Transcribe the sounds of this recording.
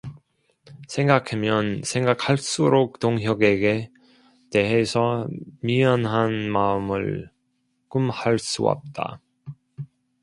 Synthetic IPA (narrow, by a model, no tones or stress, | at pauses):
sʰe̞ŋɡakʰemjʌnsʰe̞ŋɡak̚haɭs͈uɾok̚t͈oŋɦjʌɡe̞ɡe | te̞ɦe̞sʰʌmiʌnɦanmaɯmɯ̰ɭ | kɯmhaɭs͈ṵʌ̰p̚t͈a̰